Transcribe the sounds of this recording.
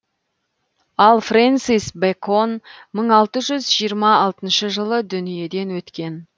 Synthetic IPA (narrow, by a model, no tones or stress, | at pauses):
ɑlˠfrent̪sijsbekʰonməɴɑlˠt̪əʒʏzʒijəɾmɑɑlˠt̪ənʃəʒəlˠəd̪ʏnije̞d̪e̞nwɵt̪kʲe̞n